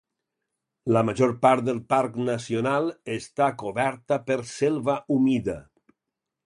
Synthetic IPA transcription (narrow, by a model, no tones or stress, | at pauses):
lamaʒoɾpaɾt̪̚d̪əlˠpaɾknasionalˠest̪akoβɛɾt̪apəɾselˠβaumiða